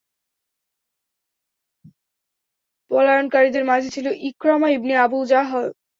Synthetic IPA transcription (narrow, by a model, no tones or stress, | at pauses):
pɔlajonkaɾid̪eɾmad͡ʑʱet͡ɕʰiloʔikɾamaibniabuld͡ʑaɦɔe